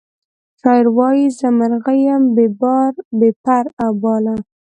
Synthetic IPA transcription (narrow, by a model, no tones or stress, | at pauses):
t͡ʃɑjɪɾwɑjizəmaɾɣajambebɑɾbepaɾabɑla